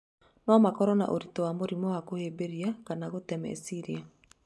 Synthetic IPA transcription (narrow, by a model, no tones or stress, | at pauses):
nɔmakɔɾɔna̰ʔoɾitɔwamoɾimɔwakoheːbeɾiakanaɣotɛmɛ̰ḭsiɾia